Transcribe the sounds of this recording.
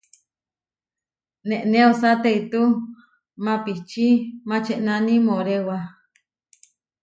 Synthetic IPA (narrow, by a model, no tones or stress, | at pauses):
nẽʔnẽosat̪eit̪u | mãpiht͡ʃimãt͡ʃeʔnãnĩmõɾewa